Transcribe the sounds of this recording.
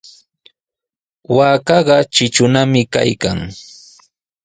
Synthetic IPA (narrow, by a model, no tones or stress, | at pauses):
waːkɑɢɑt͡ʃɪt͡ʃʊnamɪka̰jkaŋ